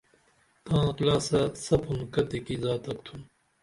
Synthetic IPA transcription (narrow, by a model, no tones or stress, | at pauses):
t̪ãːqlaːsɐsɐpʰunkɐt̪ekizaːt̪ɐkt̪ʰum